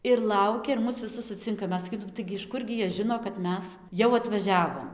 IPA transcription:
ɪr ˈlˠɐʊkʲɛ ɪr ˈmʊs ʋʲɪˈsʊs sʊˈt͡sʲɪŋkɐ ˈmʲɛs sɐˈkʲiːtʊm ˈtɐɪɡʲɪ ɪʃ ˈkʊrʲɡʲɪ ˈjiɛ ˈʒʲɪnoː kɐt ˈmʲɛs jɛʊ ɐtʋɐˈʒʲæːʋoːm

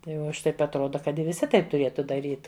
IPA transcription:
tɐɪ ˈʋɐ oː ˈɐʃ ˈtɐɪp ɐtˈroːdɐ kɐt ʋʲɪˈsʲɪ ˈtɐɪp tʊˈrʲiɛtʊ dɐˈrʲiːt

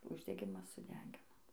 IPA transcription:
ʊʒʲdʲɛˈɡʲɪmɐs sʊˈdʲæːɡʲɪnoː

